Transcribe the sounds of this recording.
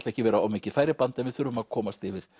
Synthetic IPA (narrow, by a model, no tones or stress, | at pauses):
t̪lɛhcɪvɛːɾaawmiːcɪðfaːjɾɪpant̪ɛnvɪðθʏɾvʏmaðkʰɔːmast̪ɪvɪɾ̥